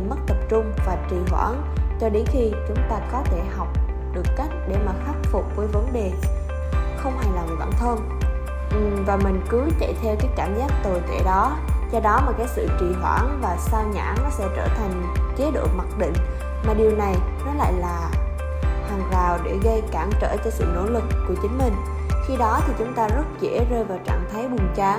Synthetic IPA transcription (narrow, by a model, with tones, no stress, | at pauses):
m˦˥t̚t̪ə˨˩p̚t͡ɕʊ˧ŋ͡mvaː˨˩t͡ɕi˨˩ɦwa̰ː˧˩n | t͡ɕɔ˧ɗe˨˦nxi˧t͡ɕʊ˨˦ŋ͡mt̪aː˧kɔ˨˦t̪ʰe˧˩ɦa˨˩wk͡p̚ | ɗɨ˨˩əkːa˦˥jk̟̚ɗe˧˩maː˨˩xaː˦˥k̚fʊ˨˩k͡p̚vəː˨˦jvə˨˦nɗe˨˩ | xə˧wŋ͡mha˨˩jlaː˨˩vjɓa̰ː˧˥˨nt̪ʰə˧n | ʔvaː˨˩mï˨˩ŋ̟kɨ˨˦t͡ɕa̰˧˨jt̪ʰɛ˧wkaː˨˦jkaː˧˩˨mzaː˦˥k̚t̪oː˨˩t̪ʰḛ˧˩ɗɔ˨˦ | zɔ˧ɗɔ˨˦maː˨˩kaː˨˦jksɨ̰˧˨t͡ɕi˨˩ɦwa̰ː˧˩nvaː˨˩saː˧wɲa̰ː˧˥nɔ˨˦sɛ̰˧˥t͡ɕəː˧˩t̪ʰa˨˩jŋ̟t͡ɕe˨˦ɗo̰˧˨ma˨˩t̚ɗḭ̈˧˨ŋ̟ | maː˨˩ɗi˨˩əwna˨˩jnɔ˨˦la̰ː˧˨jlaː˨˩ | haː˨˩ŋzaː˨˩wɗe˧˩ɣə˧jkaː˧˩mt͡ɕə̰ː˧˩t͡ɕɔ˧sɨ̰˧˨no̰˧˥lɨ˨˩kːu˧˩ət͡ɕï˨˦ŋ̟mï˨˩ŋ̟ | xi˧ɗɔ˨˦t̪ʰi˨˩t͡ɕʊ˨˦ŋ͡mt̪aː˧zə˦˥t̚zḛ˧˥zəː˧jvaː˨˩wt͡ɕa̰ː˧˨ŋt̪ʰa˨˦jɓɨ˨˩ŋt͡ɕaː˧